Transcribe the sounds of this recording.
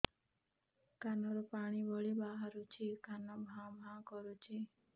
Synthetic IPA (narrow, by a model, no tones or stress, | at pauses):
kanɔɾɔpaɽ̃ibɔɭibaɦaɾut͡ʃʰikanabʱãbʱãkɔɾut͡ʃʰi